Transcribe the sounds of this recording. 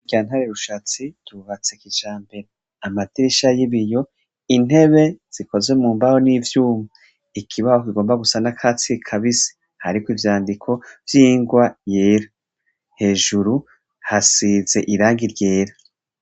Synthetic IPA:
iɟaːn̥haɾeɾuʃat͡situβat͡sekit͡ʃaːmbe̞ɾe | amatiɾiʃajiβijo̞ | in̥he̞βe̞z̥iko̞zwe̞muːmbaho̞nivjuːma | ikʰiβahokiɡo̞ːmbaɡusanakʰaːt͡sikʰaβisi̥ | haɾikwivjaːndikʰo̞vjiːŋɡwajeːɾa | he̞ːʒuɾu | hasiːze̞ʔiɾaːŋɡiɾje̞ːɾa

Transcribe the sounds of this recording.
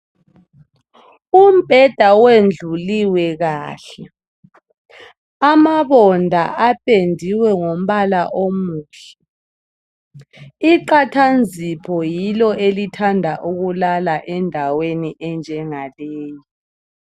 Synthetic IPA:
um̩b̥ʱɛd̥ʱawend͡ɮʱuliwɛɣaːɬɛ | amaβɔndʱa̰apʰʼendʱiwɛŋom̩βalaʔomuːɬɛ̥ | iǃatʰand͡zʱipʰɔjilɔelitʰandʱaʔuɣulalaʔɛndʱaweniʔɛnd͡ʒʱɛŋaleːji

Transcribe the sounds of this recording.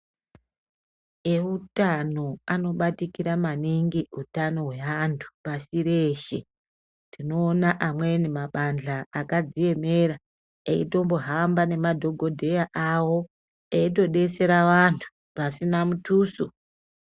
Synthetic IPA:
eutano̞ano̞ɓatikiɾamaniŋɡiutano̞ɦwe̞ʋantʰu̥pasiɾeːʃe̞ | tino̞ːnaʔamwe̞nimaɓand͡ɮaːkad͡zije̞me̞ɾa | eito̞mbo̞ɦambane̞madʱo̞ɡʱo̞dʱe̞jaʔawo̞ | eito̞ɗe̞se̞ɾaʋantʰu̥ | pasinamutuːso

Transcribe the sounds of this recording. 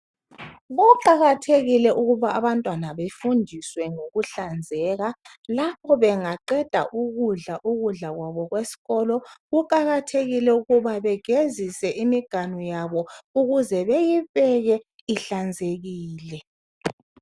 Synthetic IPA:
βɔǃaɣatʰeɣilɛʔuɣuβaːβantʼwanaβefundʱiswɛŋoɣuɬand͡zʱɛːɣa | lapʰɔβɛŋaǃɛd̥ʱa̰ʔuɣuɮaʔuɣuɮaɣwaβɔɣwesi̥ɣɔlɔɣuǃaɣatʰeɣilɛuɣuβaβɛɡ̥ʱezisɛʔimiɡ̥ʱanɔjaβɔuɣuzɛβejiβɛɣɛ | iɬand͡zʱeɣiːlɛ

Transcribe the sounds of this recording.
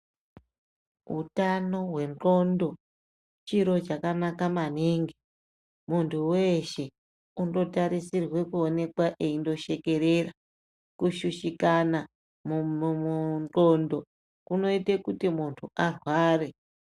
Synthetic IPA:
ṵtano̞ɦwe̞nro̞ndo̞ | t͡ʃiɾo̞t͡ʃakanakamaniːŋɡe | muntʰuwe̞ʃe̞ | undo̞taɾisirwe̞kuone̞kwaʔeindo̞ʃe̞ke̞ɾe̞ra | kuʃuʃikana | mumuro̞ndo̞ | kuno̞itekutimuntʰuʔarwaːre̞

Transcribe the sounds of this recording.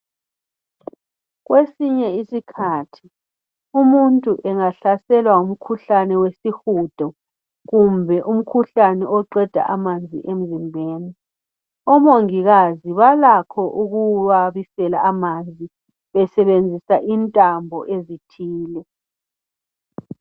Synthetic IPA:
ɣwesiɲɛisikʰatʰi | umuntʼuʔɛŋaɬasɛlwaum̩kʰuɬanɛwesixud̥ʱɔ | ɣumbʱɛʔum̩kʰuɬanɛɔǃɛd̥ʱa̰ʔamand͡zʱḭʔem̩zimbʱeːni | ɔmoŋiɣaziβalakʰɔʔuɣuβaβisɛlaːmand͡zʱi | βɛsɛβend͡zʱisaʔintʼambʱɔʔezitʰiːlɛ

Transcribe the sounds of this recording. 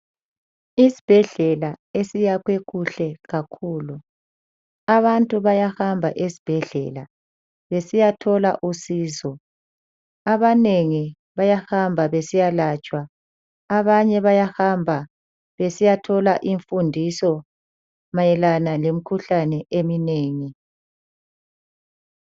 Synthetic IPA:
isi̥b̥ʱɛɮɛlaesijakweɣuɬɛɣakʰuːlu | aβantʼuβajahambʱaʔesi̥b̥ʱɛɮɛ̰la | βesijatʰɔla̰ʔusiːzɔ | aβaneŋi | βajahambʱaβesijalaːt͡ʃʼwaː | βaɲɛβajahambʱa | βesijatʰɔlaʔiɱfundʱisɔ | majɛlanalem̩kʰuɬanɛʔemineːŋi

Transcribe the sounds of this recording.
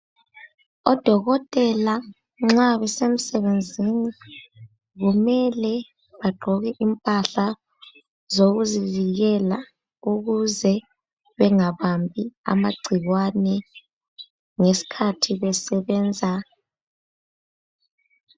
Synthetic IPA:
ɔd̥ʱɔɣɔtʼɛla | ŋ͡ǁaβɛsem̩sɛβend͡zʱini | ɣumɛlɛ | βaɡ͡ǃʱɔɣɛʔimpʼaɬa | zoɣuziviɣɛla | uɣuzɛ | βɛŋaβambʱia̰maɡ͡ǀʱiɣwanɛ | ŋesi̥kʰatʰiβɛsɛβɛːnd͡zʱa

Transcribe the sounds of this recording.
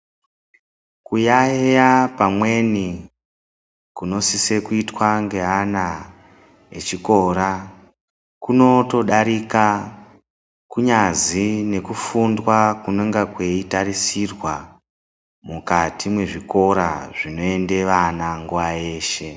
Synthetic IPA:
kujaejapamwe̞ni | kuno̞sise̞kuitwaŋɡe̞ɦana | ḛt͡ʃiko̞ɾa | kuno̞to̞ɗaɾika | kuɲazine̞kufundwakune̞ŋɡakwe̞itarisirwa | mukatʰimwe̞ʐiko̞ɾa̰ʐino̞e̞nde̞ʋanaŋɡuʋae̞ːʃe̞

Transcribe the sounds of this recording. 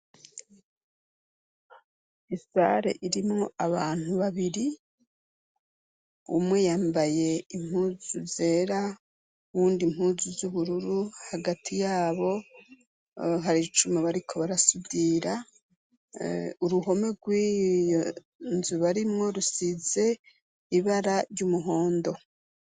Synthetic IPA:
isa̰ɾe̞̰ʔiɾimŋo̞aβaːn̥huβaβiɾi | umŋe̞jaːmbaje̞im̥huːzuze̞ːɾa | βuːndim̥huːzuzuβuɾuɾuhaɡatʰijaːβo̞ | ɦaɾit͡ʃumeβaɾikʰo̞βaɾasubiːɾa | uɾuɦo̞me̞ɡwij | nzuβaɾimŋo̞ɾusize̞ | iβaɾaɾɟumuɦo̞ːndo̞

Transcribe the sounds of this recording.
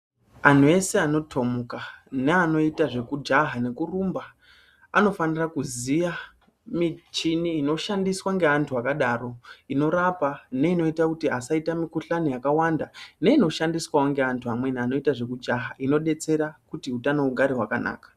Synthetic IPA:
an̤ue̞se̞ano̞tʰo̞mukaneano̞itaʐe̞kud͡ʒaɦane̞kurumba | ano̞fanirakuzija | mit͡ʃiniːno̞ʃandiswaŋɡeantʰuakaɗaro̞ino̞ɾapane̞ino̞itakutiasaitamikuɬanijakawandane̞ino̞ʃandiswawoŋɡe̞antʰuɦamwe̞niano̞itaʐe̞kud͡ʒaɦaino̞ɗe̞t͡se̞ɾakutiɦutanouɡʱaɾiɦwakana̰ːkḁ

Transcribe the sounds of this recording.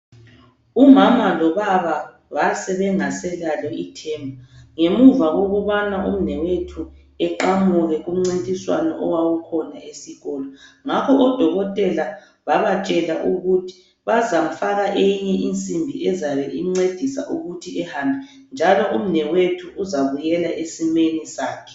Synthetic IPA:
umamalɔβaβa | βasɛβɛŋasɛlalɛʔitʰɛːmbʱaŋemuvaɣoɣuβanaʔum̩nɛwetʰu | ɛǃamuɣɛɣum̩ŋ͡ǀintʼiswa̰nɔ̰ʔɔwawukʰɔnaesiɣɔːlɔŋakʰɔʔɔd̥ʱɔɣɔtʼɛla | βaβat͡ʃʼɛlaʔuɣutʰi̥ | βazam̩faɣaʔejiɲɛʔint͡sʼimbʱiɛzaβɛiŋ͡ǀed̥ʱisa̰ʔuɣutʰiɛhaːmbʱɛ | nd͡ʒʱalɔʔum̩nɛwetʰuːzaβujɛlaʔesimenisaːkʰɛ̥

